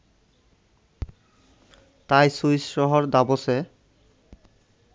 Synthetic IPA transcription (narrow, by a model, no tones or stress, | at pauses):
t̪ajsujsɾoɦoɾd̪abose